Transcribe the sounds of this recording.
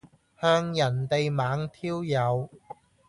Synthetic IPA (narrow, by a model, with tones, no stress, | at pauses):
hœː˧ŋjɐ˨˩nt̪e˨jmaː˨˥ŋt̪ʰiː˥wjɐ˨˧w